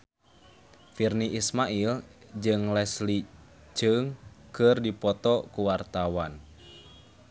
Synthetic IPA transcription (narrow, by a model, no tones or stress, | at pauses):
firniʔismaʔild͡ʒɨŋlɛsli | d͡ʒɨŋkɨrdipɔt̪ɔkuwart̪awan